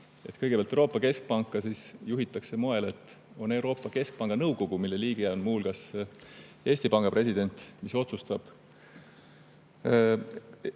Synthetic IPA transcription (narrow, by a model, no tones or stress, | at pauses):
e̞t̪kɤjɡ̥e̥ɑlt̪euɾo̞ːpˑːɑke̞sk̚pɑŋkːˑɑsisjuɦit̪ːˑɑkse̞mo̞e̞le̞t̪ːˑ | o̞ne̞wɾo̞ːpːˑɑke̞sk̚pɑŋɡ̥ɑnɤwɡo̞ɡ̥umilːe̞liːɡ̥eæonmuːlɡ̥ɑs | e̞ːsʲt̪ipɑŋɡ̥ɑpresid̪̥e̞nʲt̪miso̞t̪sust̪ɑb̥